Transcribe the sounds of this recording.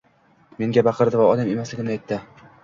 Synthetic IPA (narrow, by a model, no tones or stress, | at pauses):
me̞ŋɡʲabɑqʰɨɾd̪ɪvaɒd̪ame̞maslɪɡʲɪnajt̪ːɪ